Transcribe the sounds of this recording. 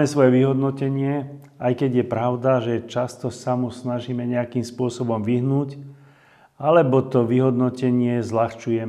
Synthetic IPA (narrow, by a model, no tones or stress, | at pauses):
mɛsʋɔjɛʋiɦɔd̪nɔcɛɲɪɛ | ajkɛɟjɛpɾaʊd̪aʒɛt͡ʃast̪ɔsamusnaʒiːmɛɲɛakiːmspʊɔsɔbɔmʋiɦnuːc | alɛbɔt̪ɔʋiɦɔd̪nɔcɛɲɪɛzlaxt͡ʃujɛ